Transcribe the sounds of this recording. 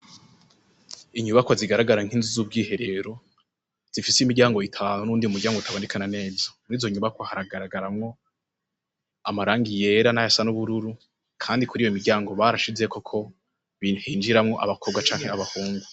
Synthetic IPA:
iɲuβakwoziɡaɾaɡaɾaŋ̥inzizuːb̚ɡiːɦe̞ɾe̞ɾo̞ | z̥ifiseimiɾɟaːŋɡo̞itʰaːnunuːndiumuɾɟaːŋɡoutʰaβondikʰanane̞ːbjo̞̥niːzoɲuβakwohaɾaɡaɾaɡaɾamŋo̞ | amaɾaːŋɡije̞ɾanajasanuβuɾuɾu | kʰaːndikuɾiːjoimiɾɟaːŋɡo̞βaɾaʃize̞ko̞kʰo̞ | βihiːnd͡ʒiɾamŋo̞ʔa̰βakʰo̞bɡat͡ʃaːŋ̥he̞aβahuːŋɡu

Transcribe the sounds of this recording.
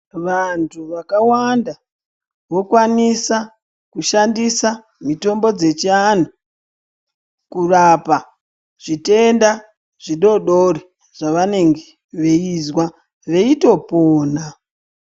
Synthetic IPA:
ʋantʰuʋakawanda | ʋo̞kwanisa | kuʃandisa | mito̞mbo̞d͡ze̞t͡ʃian̤u | kurapa | ʐ̥ite̞nda | ʐ̥iɗo̞ɗo̞ɾi | ʐ̥aʋane̞ŋɡe̥ | ʋe̞izwa | ʋe̞ito̞poːna

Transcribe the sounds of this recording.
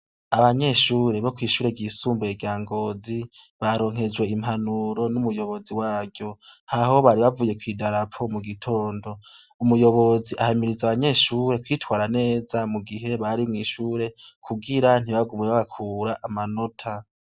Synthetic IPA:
aβaɲe̞ʃuːɾe̞βo̞kwiːʃuːɾe̞ɡɟiːsuːmboeɡjaːŋɡo̞ːzi | βaɾo̞ːŋ̥he̞d͡ʒwe̞im̥hanuɾo̞numujo̞βo̞ziwaːɡjo̞haɦo̞βaɾiβavuje̞kwiːdaɾapʰo̞muɡitʰo̞ːndo̞ | umujo̞βo̞ziʔahamiɾizaβaɲe̞ʃuːɾe̞kwitwaːɾane̞ːzamuɡiɦe̞βaɾimŋiːʃuːɾe̞kʰuɡiɾan̥iβaɡumeβaβakʰuːɾaʔamano̞tʰa

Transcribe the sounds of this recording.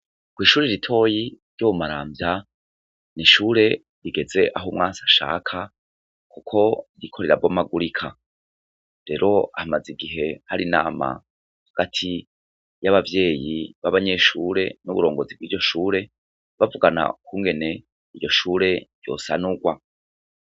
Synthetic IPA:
kwiːʃuːɾeɾitʰo̞jiɾjoβumaɾaːmbja | niʃuːɾe̞ | ɾiɡe̞ze̞ʔaɦomŋaːsaʃa̰ːkʰa | kukʰo̞ɾikʰo̞ɾe̞ɾabɡomaɡuɾikʰa̰ | ɾe̞ɾʔo̞ahamaziɡiɦe̞haɾina̰ːma̰ | haɡ̥atʰi | jaβavje̞ːjiβaβaɲe̞ʃuɾe̞nuβuɾo̞ːŋɡo̞zib̚ɡiːɾɟo̞ʃuːɾe̞ | βavuɡana̰kʰuːŋɡe̞ne̞ | iɾɟo̞ʃuːɾe̞ɾjo̞̰sanuɡwa

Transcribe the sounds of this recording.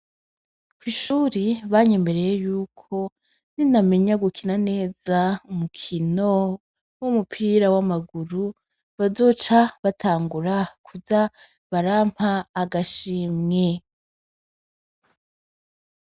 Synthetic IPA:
kwiːʃuɾiβaɲembe̞ɾe̞jejuːkʰo̞ | niname̞ɲaɡukʰinane̞ːzaumukʰino̞ | wumupʰiːɾawamaɡuɾu | βazo̞ːt͡ʃaβatʰaːŋɡuɾakʰuza | βaɾam̥haːɡaʃimŋe

